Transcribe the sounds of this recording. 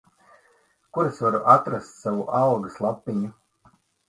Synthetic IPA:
kuɾesvaɾuʔat̪ɾast̪savuʔalɡaslˠapːiɲu

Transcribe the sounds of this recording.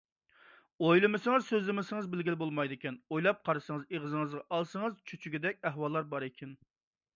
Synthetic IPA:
ojlˠɪmɪsɪŋɨzsøzlɪmɪsɪŋɨzbɪlɡʲilɪbolˠmɑjd̪ɪkʲɛnojlˠɑp̚qʰɑɾɨsɨŋəzeʁəzɨŋɨzʁɑʔɑlˠsəŋɨzt͡ʃʰyt͡ʃʰyɡʲɪd̪ɛkʲɛɦwɑlˠːɑɾbɑɾɪkʲʰɛn

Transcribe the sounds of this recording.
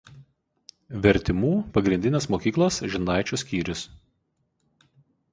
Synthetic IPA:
ʋʲɛɾʲt̪ʲɪmuːpɐɡɾʲɪnʲd̪ʲɪnʲeːsmoːkʲiːklˠɐsʒʲɪnɑˑɪt͡ʃʲʊsʲkʲiːɾʲʊs

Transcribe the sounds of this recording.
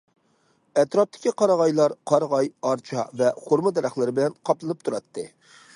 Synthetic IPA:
ɛt̪ɾɑp̚t̪ʰɪ̥kʲiqʰɑɾɑʁɑjlˠɑɾqʰɑɾʁɑjɑɾt͡ʃʰɑvɛχoɾmɨd̪ɛɾæχlˠɨɾɪbɪlɛnqʰɑplˠɨnɨp̚t̪ʰuɾɑt̪ːɨ

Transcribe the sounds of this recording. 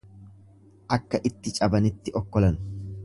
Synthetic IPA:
ʔɐkːɐʔɪt̪ːɪt͡ʃʼɐbɐnɪt̪ːɪʔɔkːɔlɐnʊ

